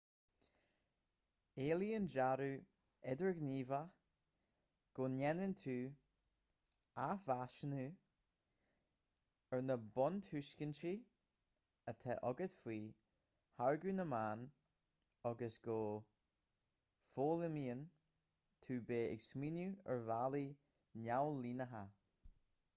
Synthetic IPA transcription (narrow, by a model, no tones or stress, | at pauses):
eːliənd͡ʒaɾuː | ɛdəɹɡniːva | ɡ̥oːnɛnɪnt̪ʰuː | av̥aʃənu | əɹnəbɔnt̪ʰʉʃkənt͡ʃi | ət̪ʰɛʔɔɡət̪fwiː | haɹɡʉnəmaːn | ɔɡəsɡ̥oː | foːlɪmiːən | t̪ʰuːbeːɪ̰ɡsminuə̰ɹvali | nawliːnəɦa